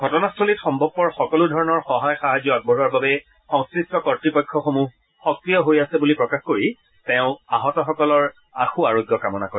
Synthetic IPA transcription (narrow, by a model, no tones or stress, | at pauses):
ɡʱɔtɔnastʰolitxɔmbʱɔb̚pɔɹxɔkɔludʱɔɹɔnɔɹxɔɦajxaɦazjɔaɡ̚bʱɔɹɔɹbabɛ | xɔ̃ŋskɹistɔkɔtɹipɔjkʰːɔxomu | xɔkɹijɔɦojasɛbulipɹɔkaxkoɹi | tɛʊ̃aɦɔtɔxɔkɔlɔɹ | a̰xuaɹoɡjɔkamɔna̰koɛ